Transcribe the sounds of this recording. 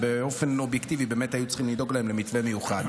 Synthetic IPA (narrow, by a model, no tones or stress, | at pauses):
beo̞fenobjektivibe̞metajut͡sχimlido̞ɡlae̞mle̞mitvemejuχad